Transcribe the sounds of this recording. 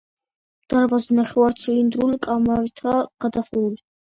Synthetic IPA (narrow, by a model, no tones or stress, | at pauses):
d̪̥aɾbazɛnaχɛwaɾt̪sʰilind̪ɾulikʼamaɾit̪ʰaɡ̥ad̪aχuuli